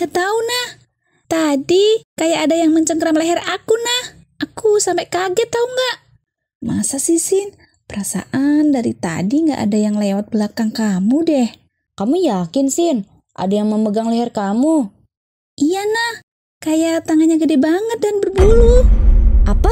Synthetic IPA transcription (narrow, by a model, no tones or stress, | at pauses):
ŋɡat̪aunah | t̪adikajaʔadajaŋməɲt͡ʃəŋkəɾamleɦɛrakunah | ʔakusampɛʔkaɡɛt̪auŋɡaʔ | masasisɪn | pəɾasa̰ʔandaɾit̪a̰diŋɡa̰ʔa̰dajaŋlewat̪̚bəlakaŋkamudɛh | kamujakɪnsɪn | ʔa̰dajaŋməməɡaŋlɛɦɛrkamu | ijanah | kajaʔt̪aŋaɲaɡədɛbaŋət̪̚danbərbuluʔapa